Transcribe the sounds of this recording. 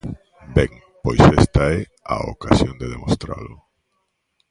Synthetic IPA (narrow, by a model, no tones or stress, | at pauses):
bɛŋ | pojsest̪aɛ | a̰o̰kasjond̪eðemost̪ɾa̰lʊ